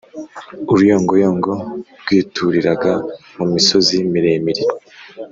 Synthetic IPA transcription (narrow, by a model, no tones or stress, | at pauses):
uɾujoːŋɡojoːŋɡo̞ɾɡ̥iːtʰuɾiɾaɡamumiso̞zimiɾeːmiɾiɾa